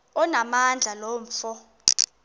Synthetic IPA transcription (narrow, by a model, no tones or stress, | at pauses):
ɔnamand͡ɮʱalɔɱfɔ